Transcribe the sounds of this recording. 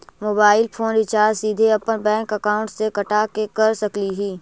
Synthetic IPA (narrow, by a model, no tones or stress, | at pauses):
moːbaːɪlpʰoːnɾɪt͡ʃaːɾsiːd̪ʱeɐpənbɛ̃ːŋkɐkaːʊ̃ɳʈsekɐʈaːkekɐɾsɐkliɦiː